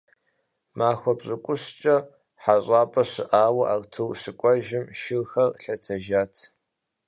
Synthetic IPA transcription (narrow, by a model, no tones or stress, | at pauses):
maːxʷɔpɕʼɪkʷʼʊst͡ʃʼɐ | ħaɕʼaːpʼɐɕɪʔaːwɐʔartʰɨwɕɨkʷʼɔʒɪmʃɪrxɐrɬɐtʰɐʒaːtʰ